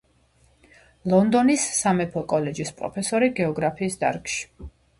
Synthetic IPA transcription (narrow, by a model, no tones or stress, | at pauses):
lˠɔnd̪ɔnisːamɛpʰɔkʼɔlɛd͡ʒispʼɾɔ̰pʰɛsɔɾiɡɛɔɡɾapʰiːsd̪a̰ɾkʼʃi̥